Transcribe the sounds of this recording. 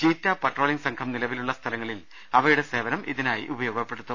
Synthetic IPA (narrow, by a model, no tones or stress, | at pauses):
t͡ɕiːtːapɐʈro̞ːliŋɡsɐŋkʰɐmnilɐʋiluɭːɐst̪ʰɐlɐŋːɐɭil | ɐʋɐɾuɽe̞se̞ːʋɐnɐmʔiðinaːjḭʔubɐjo̞ːɡɐpːe̞ɽut̪ːu